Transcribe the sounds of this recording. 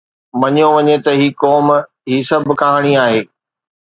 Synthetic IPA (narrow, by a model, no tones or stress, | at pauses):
mɐɲjoʋɐɲet̪ɐɦiːkɔːm | ɦiːsɐbʱɪ̆kaɦaːɽ̃iaːɦeː